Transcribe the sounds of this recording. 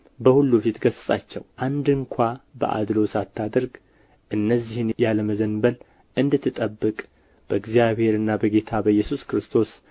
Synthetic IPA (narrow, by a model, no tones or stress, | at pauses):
bəhulːufit̪ɡəssʼat͡ʃːɛ̰wʔand̪ɨŋkʷʰabə̰ʔa̰d̪lo̞sat̪ʰːad̪əɾɡ | ʔɨnːəzːihɨnjaləməzənbəl | ʔɨnd̪ɨt̪ʰːɨt̪ʼəbːɨkʼ | b̥əɨɡzijaβhe̞ɾɨnːabəɡe̞t̪ʰabəjːɛsuskɾɨst̪ʰo̞s